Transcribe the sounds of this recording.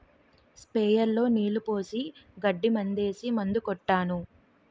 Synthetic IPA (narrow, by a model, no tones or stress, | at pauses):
speːjɐɾlo̞ːniːlupo̞ːsiɡɐɖːimɐnd̪e̞ːsimɐnd̪ukɔʈːaːnu